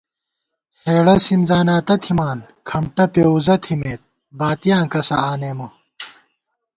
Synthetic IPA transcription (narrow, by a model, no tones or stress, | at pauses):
heːɽɐsimzaːnaːt̪ɐt̪ʰimaːn | kʰɐmʈɐpeːuzɐt̪ʰimeːt̪̚ | baːt̪ijãːkɐsɐaːneːmɐ